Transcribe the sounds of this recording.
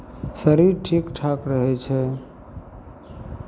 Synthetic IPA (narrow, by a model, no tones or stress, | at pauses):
səɾiɾʈʰiːkʈʰaːkɾəɦɛt͡ʃʰɛ